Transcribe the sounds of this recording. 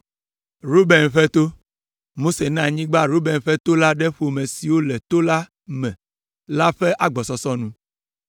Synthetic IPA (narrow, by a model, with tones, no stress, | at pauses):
ɾo˦be˨nɸɛ˦t̪o˦ | mo˦se˨nã˦˨ɲĩ˦ɡ͡ba˦ɾu˦bɛ˨nɸɛ˦t̪o˦la˦ɖɛ˦ɸo˨mɛ̃˨si˨wo˦lɛ˨t̪o˦la˦ | mɛ̃˨ | la˦ɸɛ˦ʔa˦ɡ͡bɔ˨sɔ˦sɔ˦nũ˦